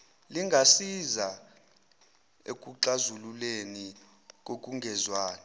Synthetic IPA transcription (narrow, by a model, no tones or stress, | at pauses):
liŋɡʱasiza | ḛk̬ʼuǁazululeni | k̬ʼok̬ʼuŋɡʱɛzwaːna